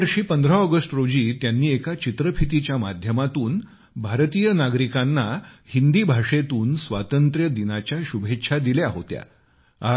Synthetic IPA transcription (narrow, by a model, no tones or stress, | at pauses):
ɾɕiːpənd̪ɾaɔɡəsʈɾod͡ʑiːt̪janːiːekat͡ɕit̪ɾəpʰit̪it͡ɕjamad̪ʱjəmat̪uːn | bʱaɾt̪iːjənaɡɾikanːahind̪iːbʱaʂet̪uːnsʋa̰t̪ənt̪ɾjəd̪inat͡ɕjaɕubʱetːɕʰad̪iljaɦo̰t̪ja̰